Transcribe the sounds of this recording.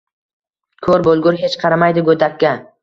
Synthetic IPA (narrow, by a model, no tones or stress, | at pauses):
kʰɵɾbolˠɡʊɾɦe̞t͡ʃqʰɑɾamajd̪ɪɡod̪akʲːa